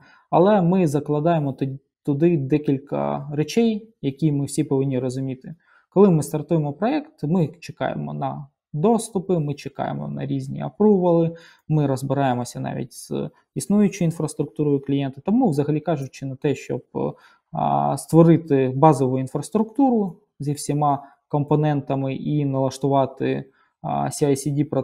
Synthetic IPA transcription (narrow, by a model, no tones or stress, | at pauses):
ɐ̰lˠɛmɪzɐklˠɐd̪ɑjemɔt̪ | t̪ʊd̪ɪd̪ɛkʲilʲkɐ̰ɾet͡ʃɛjjɐkʲijmɪwsʲipɔʋɪnʲːiɾɔzʊmʲit̪ɪ | kɔlˠɪmɪst̪ɐrt̪ujemɔpɾɔɛkt̪mɪt͡ʃekɑ̰jḛmɔ̰nɐ | d̪ɔst̪ʊpɪmɪt͡ʃekɑ̰jḛmɔ̰nɐ̰ɾʲizʲnʲḭɐ̰pɾuʋɐlˠɪ | mɪɾɔzbɪɾɑjemɔsʲɐnɑ̰ʋʲḭt̚ʲz̥ | isnujʊt͡ʃʊinfɾɐst̪ɾʊk̚t̪uɾɔjʊklʲijɛnt̪ɪ̥t̪ɔmuʋzɐɦɐlʲikɑʐʊt͡ʃːɪnɐt̪ɛʃt͡ʃɔ̰b̚ | st̪ʋɔɾɪt̪ɪbɑzɔʋʊinfɾɐst̪ɾʊkt̪uɾʊ | zʲiwsʲimɑ | kɔmpɔnɛnt̪ɐmɪʔinɐlˠɐʃt̪ʊʋɑt̪ɪ̰ | sʲɐjsʲidʲipɾɔ